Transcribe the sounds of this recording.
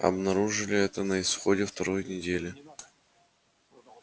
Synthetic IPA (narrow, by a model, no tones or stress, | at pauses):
ɐ̰bnɐɾuʐɨlʲɪɛt̪ənəɪsxo̞dʲɪft̪ɐɾo̞jnʲɪdʲelʲɪ